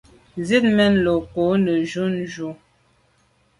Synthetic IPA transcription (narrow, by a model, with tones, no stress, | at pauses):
nzi˦t̚mɛ˦n̩˦˨lo˨ko˨˦nə˨ʒu˦n˦ʒu˦